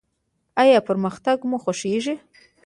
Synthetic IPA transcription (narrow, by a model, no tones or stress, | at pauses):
ajɑpəɾməxt̪aɡmuxoʂeʐi